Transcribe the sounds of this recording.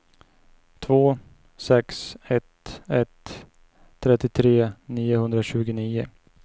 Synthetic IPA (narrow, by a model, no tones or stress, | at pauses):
t̪ʰvoː | sɛksɛt̪ɛt̪ʰː | ɾɛt̪ːɪt̪ʰɾeːniːʊhɵnd̪ɾaɕʉ̟ːɡʊniːʊ